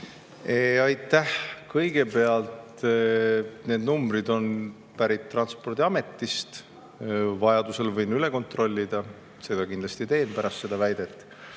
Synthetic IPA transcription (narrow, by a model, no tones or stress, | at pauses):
eɑjt̪ːˑæhkɤjɡ̥e̞pe̞ɑlt̪ | ne̞ːd̪numbɾid̪o̞n | pæɾit̪ːrɑnspo̞rd̪iɑme̞t̪ːˑist̪ | vɑjɑd̪use̞lvɤjnyle̞ko̞nt̪ro̞lʲːid̪̥ɑ | se̞d̥̪ɑkind̪lɑst̪it̪e̞ːnpæɾʔɑst̪se̞d̪̥ɑvæjd̪̥e̞t̪ːˑ